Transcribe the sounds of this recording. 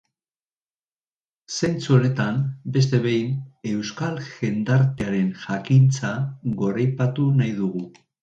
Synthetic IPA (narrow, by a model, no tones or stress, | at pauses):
se̞nt͡suone̞t̪ambe̞st̪e̞βe̞jne̞wskalʝe̞nd̪aɾt̪eaɾe̞nʝakint͡saɣo̞ɾajpat̪unajðuɣ̞u